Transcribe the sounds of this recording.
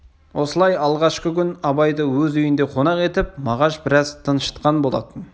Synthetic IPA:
wʔo̞səlˠɑjɑlˠʁɑʃqəkʲʰʏnɑbɑjd̪əwɵzʏjɪnd̪e̞qʰo̞nɑqe̞t̪ɪp̚mɑʁɑʃbɪɾɑzt̪ʰənʃə̥t̪qɑnbo̞lˠɑ̰t̪ən

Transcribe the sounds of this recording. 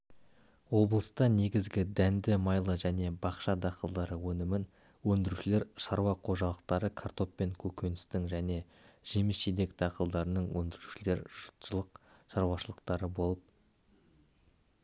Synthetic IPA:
wo̞blˠəst̪ɑne̞ɡʲɪzɡʲɪd̪ænd̪ɪmɑjlˠəʒæne̞bɑqʃɑd̪ɑqəlˠd̪ɑɾəwɵnɪmɪn | wɵnd̪ɪɾuʃɪle̞ɾʃɑɾwɑqʰo̞ʒɑlˠəq̚t̪ɑɾəkʰart̪o̞pːe̞ŋkʲʰɵkʲe̞nɪst̪ɪŋʒæne̞ | ʒ̥emɪsʃed̪e̞kd̪ɑqəlˠd̪ɑɾənəɴwɵ̰nd̪ɪɾu̥ʃɪle̞ɾʒ̥ʊ̥t̪ʒəlˠəqʃɑɾwɑʃəlˠəq̚t̪ɑɾəbo̞lˠəp̚

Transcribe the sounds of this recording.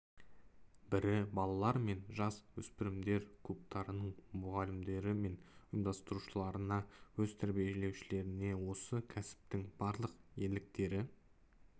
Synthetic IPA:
bɪɾɪbɑlˠɑlˠɑɾme̞nʒɑswɵspɪɾɪmd̪e̞ɾkʲʰɵp̚t̪ʰɑɾənəɴmʊʁɑlɪmd̪e̞ɾɪme̞nʊjəmd̪ɑst̪əɾuʃəlˠɑɾənɑwɵzt̪ʰæɾbije̞ʒele̞wʃɪle̞ɾɪne̞wo̞səkʲʰæsɪ̥p̚t̪ɪŋb̥ɑɾlˠəqje̞lɪk̚t̪e̞ɾɪ

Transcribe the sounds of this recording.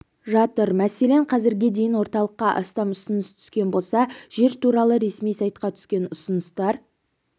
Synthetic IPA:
ʒɑt̪əɾmæse̞le̞ɴqʰɑzɪɾɡʲed̪e̞jɪnwo̞ɾt̪ɑlˠəqːɑʔɑ̰st̪ɑmʊsənʏst̪ʰʏ̥skʲe̞nbo̞lˠsɑʒ̥e̞ɾt̪ʰuɾɑlˠəɾe̞smijsɑjt̪̚qɑt̪ʰʏ̥skʲe̞nʊsʊnəst̪ɑɾ

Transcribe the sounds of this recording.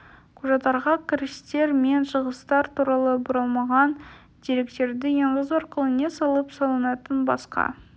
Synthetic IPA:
qʰuʒɑt̪ɑɾʁɑkʲʰɪɾɪst̪e̞ɾme̞nʃəʁəst̪ɑɾt̪uɾɑlˠəbʊɾɑlˠmɑʁɑn | d̪̥e̞ɾe̞k̚t̪e̞ɾd̪ɪjeɴʁəzwoɾqəlˠənesɑlˠəpsɑlˠənɑt̪ənbɑ̰sqɑ̰

